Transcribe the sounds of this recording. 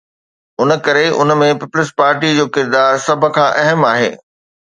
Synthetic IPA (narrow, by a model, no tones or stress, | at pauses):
ʊnə̆kɐɾeʊ̰n̆mẽpiːpʊlɪs̬paːɾʈid͡ʑoːkɪɾd̪aːɾsɐb̆ʱkʰãːʔɐɦəmaːɦḛː